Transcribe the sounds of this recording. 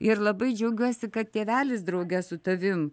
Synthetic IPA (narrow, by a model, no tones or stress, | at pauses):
ɪɾlˠɐbɐɪd͡ʒʲɛʊɡʲuɔsʲɪkɐt̪̚t̪ʲeːʋʲæːlʲɪsd̪ɾɐʊɡʲɛsʊt̪ɐʋʲɪm